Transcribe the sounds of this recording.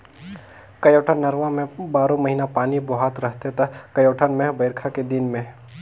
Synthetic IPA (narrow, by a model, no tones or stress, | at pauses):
kɐjoːʈʰənnːɐɾʋãmẽbaːɾõmɐɦiːnapaːnibɐɦat̪ɾɐɦt̪et̪ɐkɐjoːʈʰənmẽbɐɪɾkʰaked̪ɪnmẽ